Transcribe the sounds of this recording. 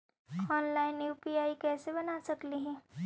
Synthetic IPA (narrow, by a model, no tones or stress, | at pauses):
ɔnlainjupiaikɛːsebənasəkliɦɛ̃